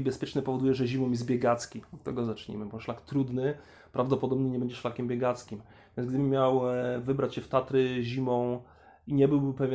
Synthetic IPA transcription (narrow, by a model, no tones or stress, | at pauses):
ibɛspʲjɛt͡ʂnɛpɔvɔd̪ujɛʐɛʑimɔmjɛzd̪bʲjɛɡat̪skʲiɔt̪ːɛ̰ɡɔzat͡ʂɲḭmɘbɔʂlakt̪ɾud̪nɘ | pɾavd̪ɔpɔd̪ɔbɲɛɲɛbɛɲd͡ʑɛʂlakʲɛmbʲjɛɡat̪skʲim | vʲjɛnzɡd̪ɘbɘmʲjawvɘbɾat͡ɕɕɛft̪at̪ɾɘʑimɔ̃w̃ | iɲɛbɘwbɘpɛvʲjɛ